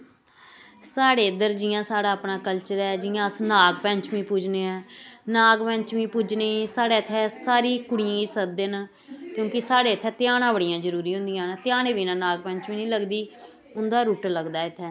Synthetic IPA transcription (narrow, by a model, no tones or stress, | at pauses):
saːɽeːd̪əɾd͡ʒɪjãːsaːɽaːəpnaːkəlt͡ʃəɾɛːd͡ʒɪjãːsnaːɡpɛ̃ɲt͡ʃʋĩːpʊd͡ʒneːɛːnaːɡpɛ̃ɲt͡ʃʋĩːpʊd͡ʒneːsaːɽeːt̪ʰːɛːsaːɾiːkʊɽiãːiːsəd̪eːnː | kjõːkɪsaːɽeːət̪ʰːɛːt̪ɪjaːnãːbəɽijãːd͡ʒəɾuːɾiːɦʊ̃nd̪ɪijãːnːt̪ɪjaːnẽːʋiːnãːnaːɡ̚pɛ̃ɲt͡ʃʋĩːnĩːləɡd̪iː | ʊnd̪aːɾuːʈləɡd̪aːɪt̪ʰːɛː